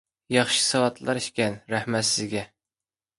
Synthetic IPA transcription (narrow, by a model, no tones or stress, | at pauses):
jɑχʃɨ̥sɑwɑt̪ʰlˠɑɾiʃkʲɛnɾæhmæt̪sɪzɡʲɛ